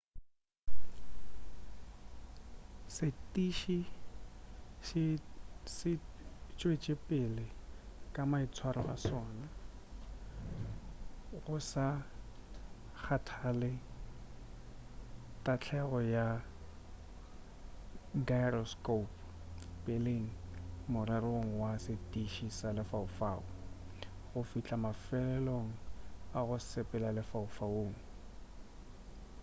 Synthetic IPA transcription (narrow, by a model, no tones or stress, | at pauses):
sɪtʼiʃi | ʃɪsɪt͡ʃʼwet͡ʃʼɪpʼɪlɪkʼamait͡sʰwaɾɔɣa̰sɔːna | ɣʊsa | k͡xʰatʰalɪ | tʼat͡ɬʰɛɣɔja | ɡarɔskop | pʼeleŋ̩mʊɾɛɾoŋ̩wasɪtʼiʃisalɪfaʊfaːʊ | ɣʊfit͡ɬʼamafɛlɛloŋ̩aɣʊsɪpʼɛlalɪfaʊfaoːŋ̩